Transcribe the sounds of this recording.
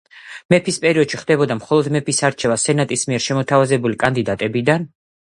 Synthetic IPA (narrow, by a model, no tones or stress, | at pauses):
mɛpʰispʼɛɾiɔd̪ʃiχd̪ɛbɔd̪amχɔlˠɔd̪mɛpʰisaɾt͡ʃʰɛvasɛnat̪ʼismiɛɾʃɛmɔt̪ʰavazɛbulikʼand̪id̪at̪ʼɛbid̪an